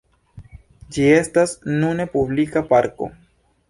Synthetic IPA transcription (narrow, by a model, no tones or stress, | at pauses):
d͡ʒie̞stasnune̞publikapaɾko̞̰